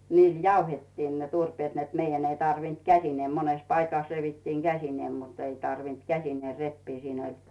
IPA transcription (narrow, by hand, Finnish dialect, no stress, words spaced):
niːl jɑuhetːiːn ne turpeːt net meijæn ei tɑrʋint kæsineː mones pɑikɑˑs reʋitːiːŋ ɡ̊æsineː mut ei tɑrʋint kæsineː repːiː siːn olʲ